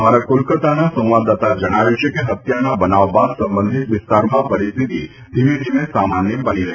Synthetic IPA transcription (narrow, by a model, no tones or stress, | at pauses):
aɾakolkət̪anasə̃w̃ʋad̪ːat̪ad͡ʒəɽ̃aʋjut͡ʃʰekeɦət̪janabənaʋbad̪sə̃mbə̃nd̪ʱit̪ʋɪst̪aɾmãpəɾɪst̪ʰit̪ḭ | d̪ʱiʋid͡ʒimẽsamanjəbəniɾɐɦ